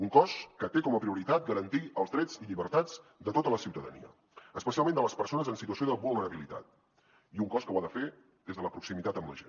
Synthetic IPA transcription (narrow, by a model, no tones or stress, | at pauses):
uŋkɔskət̪ekɔməpɾiuɾit̪at̪̚ɡəɾənt̪iəlˠzðɾɛd͡ziʎiβəɾt̪ad͡zd̪ət̪ot̪ələsiwt̪əðə̰nḭə̰ | əspəsialˠmẽnd̪ələspəɾsonəzənsit̪̬uəsioðəβulˠnəɾəβilit̪a̰t̪̚ | iuŋkɔskəwaðəfe | d̪ezðələpɾuksimit̪at̪əmlə̰ʒḛn